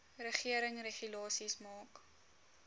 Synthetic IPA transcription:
rəχiəɾəŋreχylɑːsismɑːk

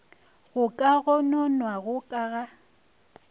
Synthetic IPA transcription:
ɣʊkʼaɣʊnɔnwaɣʊkʼaɣa

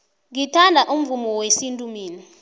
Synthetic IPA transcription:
ŋitʰandʱaʔum̩vumɔwesintʼumiːni

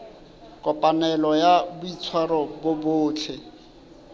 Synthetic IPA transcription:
kʼɔpʼanɛlɔjabʊit͡sʰwaɾɔbʊbʊːt͡ɬʰɪ

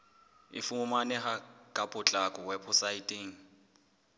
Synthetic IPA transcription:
ɪ̰fumʊmanɛhakʼapʼʊt͡ɬʼakʼɔwɛpʰʊsaitʼeːŋ̩

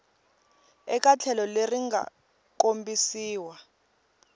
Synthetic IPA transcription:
ɛk̬ʼat͡ɬʰɛlɔleriŋɡʱa̰ | k̬ombisiːwa

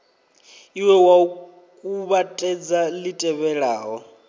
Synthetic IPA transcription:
iwɛwau | kʼuβatʼɛd͡zalitʼɛβɛɺaːɦɔ

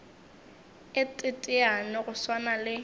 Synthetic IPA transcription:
ɪtʼɪtʼɪanɪɣʊswanalɪ

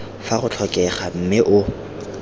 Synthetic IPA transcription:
faχʊt͡ɬʰɔkʼɛχam̩mɪʔʊ

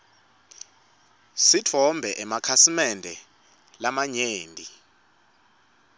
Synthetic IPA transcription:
sitʰɔmbʱɛʔɛmakʰasimɛndʱɛ | lamaɲeːndʱi

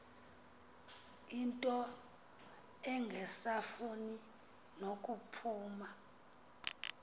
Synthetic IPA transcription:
intʼɔ | ɛŋɡʱɛsafuni | nokʼupʰuːma

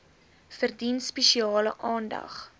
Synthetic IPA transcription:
fərdinspɛʃiɑːlə̰ʔɑːndɐ̰χ

